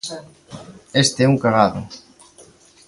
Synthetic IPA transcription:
est̪eɛuŋkaɣaðʊ̰

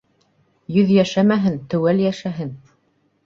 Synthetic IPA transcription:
jɵðjæʃæmæɦɘnt̪ɵ̆wæljæʃæɦɘn

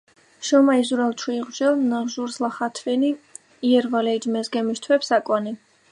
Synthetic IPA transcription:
ʃɔmaizuɾalˠt͡ʃʰwiːʁd͡ʒɛlˠnaʁʒuɾzlaχat̪ʰvɛni | iɛɾvalɛd͡ʒmɛzɡɛmist̪ʰwɛpsakʼwani

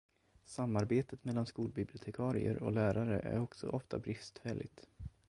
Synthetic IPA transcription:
samːaɾbeːt̪ət̪mɛlːanskuːlbɪblɪʊt̪ʰɛkʰɑːɾɪəɾɔlæːɾaɾəʔæ̰ɾɔksɔ̰ʔɔft̪a̰bɾɪst̪fɛlʔɪt̪

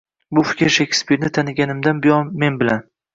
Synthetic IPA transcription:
bʊfɪ̥kʲɪɾʃekʲspiɾnɪt̪ʰanɪɡʲanɪmd̪anbɪjɒnme̞nbɪlan

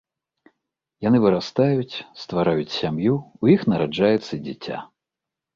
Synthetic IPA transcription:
janɨvɨɾast̪ajut͡sʲst̪vaɾajut͡sʲsʲamjuujixnɐɾad͡ʐajɛt̪sːɐd͡zʲit͡sʲa̰

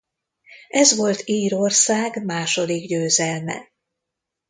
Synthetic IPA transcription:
ɛzʋo̞lt̪iːɾorsaːɡmaːʃo̞d̪iɡɟøːzɛlmɛ̰

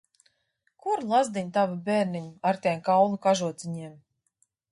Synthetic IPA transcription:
kuɾlˠazd̪iɲʲt̪avabʲɛːɾniɲuaɾt̪ʲɛjmkawnukaʒuɔt̪sʲiɲiɛm

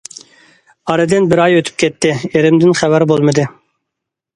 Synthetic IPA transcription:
ɑɾɨd̪ɪnbɪɾɑjøt̪ʰy̥p̚kʲʰɛt̪ʰːɪeɾɪmd̪ɪnχævæɾbolˠmɨd̪ɨ

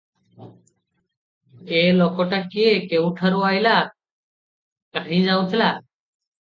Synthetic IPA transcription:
keːloːkoːʈakːɪekeːũʈʰəɾoːaːɪlaː | kəɾĩːd͡ʒaːũt̪ʰlaː

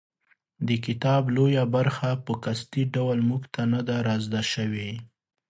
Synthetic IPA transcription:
d̪əkɪt̪ɑblojabaɾxapəkast̪iɖawlmuɡt̪anad̪aɾɑzd̪aʃəwe

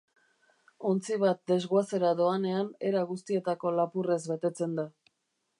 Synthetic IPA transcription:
o̞nt͡siβat̪̚d̪e̞zɣoase̞ɾaðo̞ane̞ane̞ɾaɣust̪ie̞t̪ako̞lapure̞zβe̞t̪e̞t͡se̞nd̪a

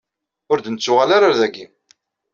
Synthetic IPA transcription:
ʊɾd̪ənət͡sːʊʁalaɾaɾðæɡːi

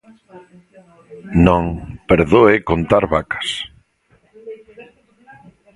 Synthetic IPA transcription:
nõŋpeɾðoekont̪aɾβakḁs

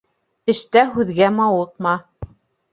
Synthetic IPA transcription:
ɘ̆ʃt̪æɦʉðɡæmɑwɤq̚mɑ

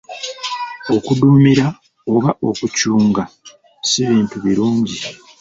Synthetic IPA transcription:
o̞kudumiɾa | o̞βaʔo̞kucuːŋɡa | siβiːntuβiɾuːɲɟi

